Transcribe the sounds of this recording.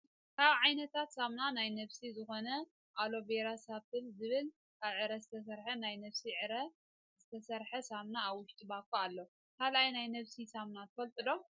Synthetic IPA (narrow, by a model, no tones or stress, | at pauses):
kʰaβʕajnɐt̪ʰat̪samnanajnɐβsizɨxo̞nɐ | ʔalo̞beɾasaβt̪ʰɨnzɨβɨl | kʰaβʕɨɾɐzɨt̪ʰɐs̬ɐɾħɐnajnɐβsiʕɨɾɐ | zɨt̪ʰɐsɐɾħɐsamnaːβwʊʃt̪ʼɨbakʰːoalːo | kʰalʔajnajnɐβsisamnat̪ʰɐfɐlt̪ʼɨd̪o̞